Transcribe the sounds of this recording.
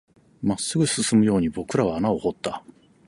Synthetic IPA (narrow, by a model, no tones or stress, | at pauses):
masːɨɡɯ̟sɨsɨmɯ̟jo̞ːɲ̟ibo̞kɯ̟ɾaβaːnao̞ho̞t̪ːa